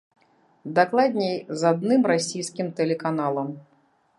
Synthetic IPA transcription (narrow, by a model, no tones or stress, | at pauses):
d̪aklˠad̪ʲnʲejzad̪̚nɨmrasʲijskʲimt̪ɛlʲɛkanalˠɐm